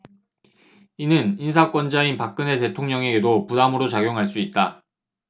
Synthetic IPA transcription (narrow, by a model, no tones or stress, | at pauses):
inɯninsʰak͈wʌnd͡ʑainpak̚k͈ɯne̞te̞tʰoŋɲʌŋe̞ɡe̞dopudamɯɾot͡ɕaɡjoŋɦaɭs͈uit̚t͈a